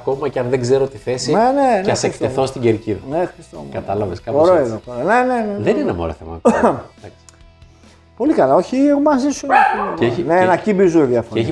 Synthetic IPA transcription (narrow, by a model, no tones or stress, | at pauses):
ko̞mɐceɐnðeɡzeɾot̪iθesinenenɐsekt̪eθo̞st̪iɟeɾciðuexɾɐist̪o̰mkɐt̪ɐlɐveskɐooɾoeðoxoɾone̞ne̞neðeninemo̰loθemɐ̰d̪ɐks | po̞likɐlɐo̞çiɣmɐsisunɐionenɐcimbizuiðjɐfoɾeeçi